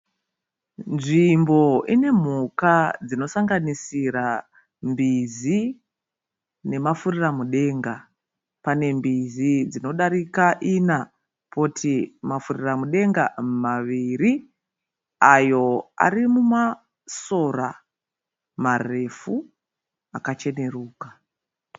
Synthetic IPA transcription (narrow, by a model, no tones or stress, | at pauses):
nʐimbo̞ine̞m̤ukad͡zino̞saŋɡanisiɾa | mbizi | ne̞mafuriramuɗe̞ŋɡa | pane̞mbizid͡zino̞ɗaɾikaʔina | pʰotʰimafuriramuɗe̞ŋɡamaʋiɾi | ajo̞a̰rimuma | so̞ra | mare̞fu | akat͡ʃe̞ne̞ruːka